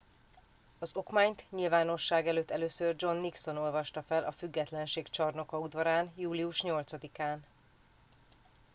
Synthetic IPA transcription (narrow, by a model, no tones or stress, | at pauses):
ɒzo̞kmaːɲt̪ɲilvaːno̞ʃːaːɡɛløːt̪ːɛløːsørd͡ʒo̞nːikso̞no̞lvɒʃt̪ɒfɛlʔɒfyɡːɛt̪lɛnʃeːkt͡ʃɒrno̞kɒud̪vɒɾaːnjuːliuʃɲo̞lt̪sɒd̪ikaːn